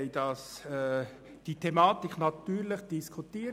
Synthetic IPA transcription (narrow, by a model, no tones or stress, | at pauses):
ɪdɑsɛ | d̥itʰemɑːt̪ɪknɑt̪yːɾləχd̥iskʰut̪iːə